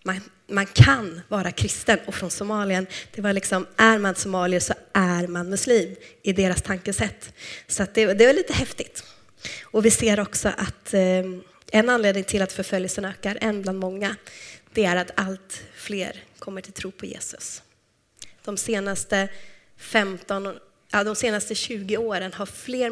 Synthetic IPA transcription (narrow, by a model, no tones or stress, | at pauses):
ma | mankʰanvɑːɾakʰɾɪst̪ənɔfɾɔnsʊmɑːlɪənd̪̥ɛvaɭɪksɔmʔæɾmansʊmɑːlɪəsɔʔæɾmanmɵsliːmɪd̪eːɾast̪ʰaŋkəsɛt̪ːsɔat̪̚d̪ɛd̪ɛvɛliːt̪əhɛft̪ɪt̪ | ɔvɪseːɾɔksɔ̰ʔat̪ | ɛnːanleːd̪nɪŋt̪ʰɪlat̪fœɾfœljəsənøːkaɾʔɛnːbland̪mɔŋːad̪̥ɛæɾat̪ʰalt̪flḛːɾkʰɔmːəʈʰɪlt̪ʰɾuːpʰɔjḛːsɵs | d̪̥ɔmseːnast̪ə | fɛmt̪ɔn | ʔɛd̪ɔmseːnast̪əɕʉ̟ːɡɪoːɾənɦaɾfleːɾ